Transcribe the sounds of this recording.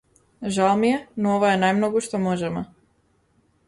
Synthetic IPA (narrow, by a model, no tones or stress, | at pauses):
ʒalˠmijɛnooʋajenajmnoɡuʃt̪omoʒɛmɔ